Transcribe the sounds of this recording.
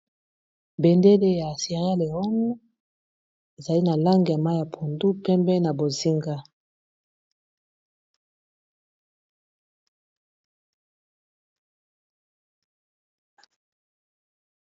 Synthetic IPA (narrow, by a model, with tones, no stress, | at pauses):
be˨nde˦le˦ja˨se˨ʁa˦le˨ɔ˦nu˦ | e˨za˨li˦na˨la˦ŋɡi˨ja˨ma˦jja˨pʰo˨ndu˦pɛ˦mbɛ˦na˨bo˨zi˦ŋɡa˦